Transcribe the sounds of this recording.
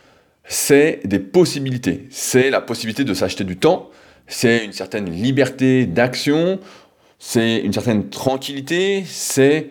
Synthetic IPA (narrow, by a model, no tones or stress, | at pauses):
sɛd̪epɔsibilit̪ḛsɛlapɔsibilit̪ed̪əsaʃt̪ed̪yt̪ɑ̃ | sɛynsɛʁt̪ɛnlibɛʁt̪ed̪aksjɔ̃ | sɛy̰nsɛʁt̪ɛnt̪χɑ̃kʲilit̪esɛ